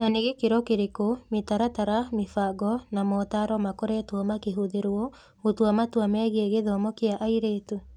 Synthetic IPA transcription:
naneɣekeɾɔkeɾekometaɾataɾamifaɡɔnamɔtaɾɔmakoɾɛtwɔmakeɦoðeɾɔ | otwamatwamɛɣɛɣeðɔmɔkeaʔaiɾetu

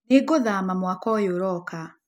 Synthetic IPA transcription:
neɡoðamamwakɔjoɾɔka

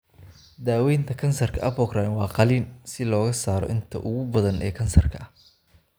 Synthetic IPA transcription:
d̪aːwɛjnt̪ʰɐkʰɐnsɐrkʰɐʔɐbɔkraːnwɑːqɑliːnsɪlɔːɣɐsaːɾɔ̰ʔɪnt̪ʰɐ̰ʔʊɣʊbɐðɐnʔɛ̰ːkʰɐnsɐrkʰɐɐ

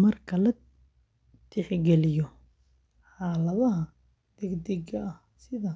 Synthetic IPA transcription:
mɐrkʰɐlɐ | d̪ʰɛħɡɛlɪjɔ | ħaːlɐβɐɦɐ | d̪̥ɛɡd̪ɛɡɐɐh | sɪðɐ

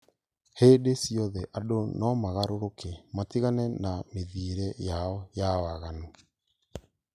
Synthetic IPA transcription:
hedesiɔðɛʔadonɔmaɣaɾoɾokematiɣanɛnameðiɾɛjaɔjawaɣano

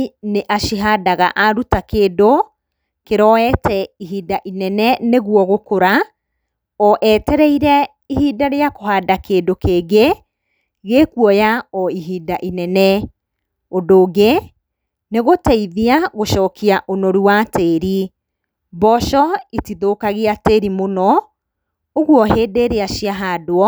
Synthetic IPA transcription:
neʔaʃiɦadaɣa̰ʔaɾutakeːdo | keɾɔɛtɛiɦiːdaʔinɛnɛneɣuɔɣokoɾa | ɔʔɛːtɛɾɛiɾɛ | iɦiːdaɾeakoɦadakeːdokeɡe | ɣekuɔjaɔiɦiːdaʔinɛnɛ | odoːɡe | neɣotɛiðiaɣoʃɔːkiaʔonɔɾuwateɾi | bɔʃɔitiðoːkaɣeateɾimonɔ | oɣwɔɦeːdeɾeaʃiaɦadoɔ

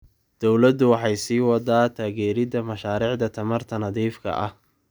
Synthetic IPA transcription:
d̪̥ɔwlɐd̪ʊwɑħɑjsiːwɑd̪aːt̪ʰaːɣɛːɾɪðɐmɐʃaːɾiːʕd̪ɐt̪ʰɐmɐrt̪ʰɐnɐðiːfkʰɐ̰ʔɐh

